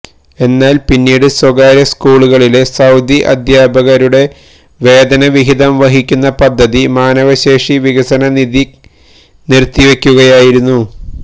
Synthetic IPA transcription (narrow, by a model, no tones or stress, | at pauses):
e̞nːaːlpinːiːɽɨswɐɡaːɾjɐskuːɭuɣɐɭile̞sɐwd̪ʱiʔɐ̰d̪ʱjaːbʱɐɣɐɾuɽe̞ | ʋe̞ːd̪ɐnɐʋiɦiðɐmʋɐɦikʲːunːɐpɐd̪ʱːɐðimaːnɐʋɐɕe̞ːʂiʋiɣɐsɐnɐniði | nirt̪ːiʋe̞kʲːuɣɐjaːjiɾunːu